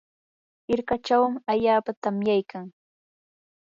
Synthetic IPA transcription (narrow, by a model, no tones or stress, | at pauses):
ɪɾkat͡ʃawmɪaʎaːpat̪amjajkʰaŋ